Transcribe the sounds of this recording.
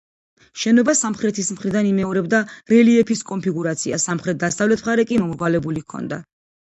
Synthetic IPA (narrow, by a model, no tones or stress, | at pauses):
ʃɛnɔbasamχɾɛt̪ʰismχɾid̪animɛɔɾɛbd̪aɾɛliɛpʰiskʼɔnpʰiɡuɾat̪sʰia̰samχɾɛt̪̚d̪asavlɛt̪ʰmχaɾɛkʼimɔmɾʁwalɛbulikʰɔ̰nd̪a̰